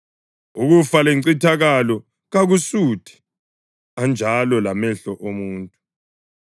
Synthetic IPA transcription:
uɣufaleŋ͡ǀitʰaɣalɔ | ɣaɣusuːtʰʼɛ̥ | and͡ʒʱalɔlamɛɬɔʔomuːntʼu

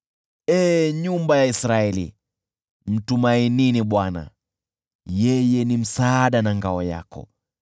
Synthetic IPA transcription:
ɛɲumbajaisɾaɛlḭ | m̩tumaininiɓwana̰ | jɛjɛnim̩saːɗanaŋɡaɔja̰kɔ̰

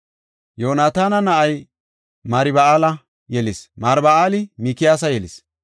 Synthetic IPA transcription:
joːnaːt̪aːnɐnɐʔɐj | maːɾɪbɐaːlɐ | jɛlɪsmaɾbɐaːlɪmiːkɪjaːs̬ɐjɛlɪs

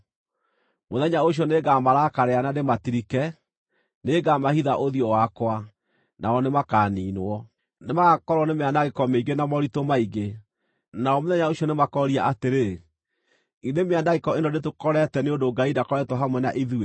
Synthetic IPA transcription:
moðɛɲaoɕ̬jɔneɡamaɾakaɾeanadematiɾikɛ | neɡamahiðaʔoðiɔwakwa | naɔnemakaːniːnoɔ | nemaɣakɔɾwɔnemeandaɣekɔmeiɡenamɔɾitomaiɡe | naɔmoðɛɲaoɕiɔnemakɔɾiaʔateɾe | indemeandaɣekɔendɔdet̬okɔɾɛtɛneondoɡaidakɔɾɛtwɔɦamwɛnaʔiðue

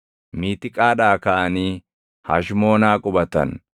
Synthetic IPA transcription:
miːt̪ɪkʼaːᶑaːkaʔɐniː | ha̰ʃmo̞ːnaːkʼʊbɐt̪ɐ̰n

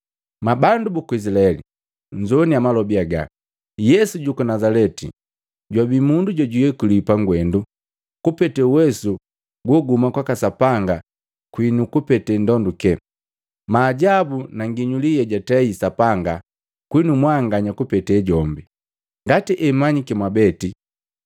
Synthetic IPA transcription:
mabandubukuis̬ilaɛlḭ | ɲd͡ʒɔniamalɔbiaɡa̰ | jɛsuɟukanazalɛtḭ | ɟwabimunduɟaɟujɛkulipaŋɡwɛndu | kupɛtɛwɛsu | ɡwɔɡumakwakasapaŋɡa | kwinukupɛtɛndɔndukɛ | maːɟabunaŋɡiɲulijɛɟatɛisapaŋɡa | kwinumwaŋɡaɲakupɛtɛɟɔmbi | ŋɡatiʔɛmaɲikɛmwabɛti

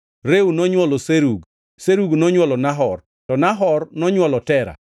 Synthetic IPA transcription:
ɾewnɔɲwɔlɔseɾuɡ | seɾuɡnɔɲwɔlɔnaɦɔr | tɔnaɦɔrnɔɲwɔlɔtɛɾa̰

